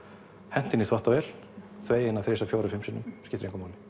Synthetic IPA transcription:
hɛn̥t̪ɪniθvaht̪avɛl | θveːjɪnaθɾeːsafjoːwɾaɾfɪmsɪnːʏmscɪt̪ʏɾẽŋkamawlɪ̥

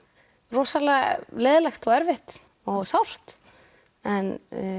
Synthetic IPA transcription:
rɔːsalɛleːjðɪlɛxt̪ɔɣɛɾvɪht̪ | ɔɣsawr̥t̪ | ɛn

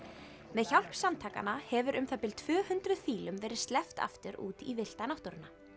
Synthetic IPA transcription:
mɛðçawl̥psamt̪ʰaːka̰nahɛvʏɾʔʏmθɛpɪl̥t̪ʰvœːhʏnt̪ɾʏðfiːlʏmvɛːɾɪðst̪lɛft̪a̰ft̪ɪɾṵːt̪ivɪl̥t̪anawht̪ɔɾɪnːa

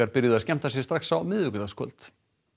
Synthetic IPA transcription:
aɾpɪɾjɪðɪascɛm̥t̪asjɛ̥st̪ɾaxsawmɪðʏkʏt̪askʰœ̰lt̪

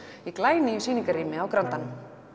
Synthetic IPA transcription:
iklaːjnɪsiːniŋkaɾiːmɪawkɾant̪anʏm

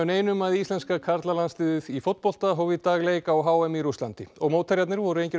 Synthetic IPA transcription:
ʏneːjnʏmaðist̪lɛnskakʰaɾt̪lalanst̪ɪːðɪðifowt̪pɔl̥t̪aɦɔwvɪt̪aːɣlejkawɦaːwɛmiɾust̪ant̪ɪɔɣmoːwt̪ʰaɾjat̪nɪɾvɔɾʏɾejɲcɪɾ

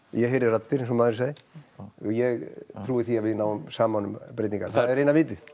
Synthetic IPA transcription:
jɛɦejɾɪrat̪ːɪɾesɔmaðʏɾs̬aːjɪ | jɛɣt̪ʰɾuːɪθiavɪðnaːwʏmsaːmanʏmpɾeːt̪niŋkaɾθaððɛɾejnavɪːt̪ɪð

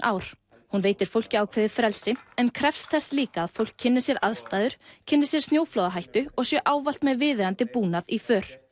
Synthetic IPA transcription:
ʔaːwɾ̥ | hunveːjt̪ɪɾ̥fowl̥cɪaːwkʰvɛːðɪɾfɾɛlsɪɛnkʰɾɛfst̪θɛsliːkaːðfowl̥kcʰːɪnːɪ̥sjɛɾʔaðst̪aːðʏɾ̥cʰɪnːɪ̥sjɛ̥st̪njoːwflɔwðaɦajht̪ʏɔɣsjɛʔaːwval̥t̪mɛðvɪːðɪant̪ɪpuːnaðifœːɾ̥

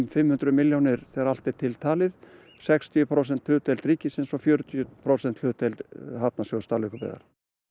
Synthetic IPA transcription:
mfɪmhʏnt̪ɾʏmɪljownɪɾ̥θɛːɣaɾal̥t̪ɛɾt̪ʰɪlt̪ʰaːlɪð | sɛkst̪ʰijʏpʰɾows̬ɛnt̪hʏːt̪ejlt̪ɾiːcɪsensɔfjœːɾʏt̪ʰijʏpʰɾoːwsɛnt̪ʏːt̪elt̪ɦap̚nasjowɣst̪aːlʏhkʏpɛ̰ða̰ɾ̥

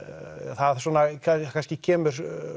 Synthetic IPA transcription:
θaðswɔːnakʰakʰanscɪcʰɛːmʏɾ̥

